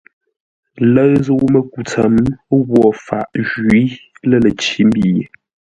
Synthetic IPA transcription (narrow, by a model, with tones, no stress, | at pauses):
lə˦ɰzə˦wu˦mə˦ku˨t͡sə˨mɣwɔ˨fa̰˨ʔʒwi˨˦lə˦lə˨t͡ʃi˦m˦bi˦˨je˨